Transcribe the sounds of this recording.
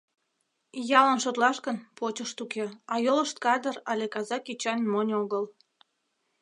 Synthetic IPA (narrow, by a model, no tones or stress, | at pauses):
jɑlənʃot̪lɑʃkənpot͡ɕəʃt̪ukeɑjoləʃt̪̚kɑd̪ərɑlʲekɑzɑkit͡ɕɑnʲmonʲoɣəl